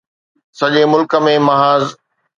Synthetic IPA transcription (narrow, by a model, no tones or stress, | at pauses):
sɐʄemʊlkə̆mẽmɐɦaːz